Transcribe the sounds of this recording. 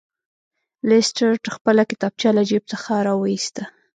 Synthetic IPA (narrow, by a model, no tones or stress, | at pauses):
lɪsʈaɾʈəxpəlakɪ̥t̪ɑb̚t͡ʃjɑlad͡ʒib̚t͡səxaɾɑwəist̪a